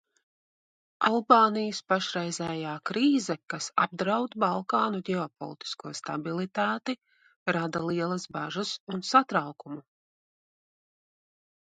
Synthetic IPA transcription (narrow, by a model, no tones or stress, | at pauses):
alˠbɑːnijəspaʃɾɛjzɛːjaːkɾiːzɛkasa̰b̚d̪ɾawd̪balˠkaːnuɟʲɛɔpɔ̰lˠit̪i̥skuɔst̪abilˠit̪aːt̪i | ɾad̪alˠiɛlˠɐzbaʒasunsat̪ɾawkumu